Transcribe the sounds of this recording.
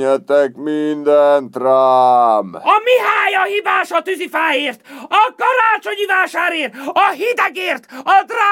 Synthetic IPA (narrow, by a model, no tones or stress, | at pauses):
ɛt̪ɛkmind̪ɛnt̪raːmɒmiɦaːjɒhiːvaːʃɒt̪yzifaːjeːrt̪ɒkɒɾaːt͡ʃo̞ɲivaːʃaːɾeːrt̪ɒɦid̪ɛɡeːrt̪ɒd̪raː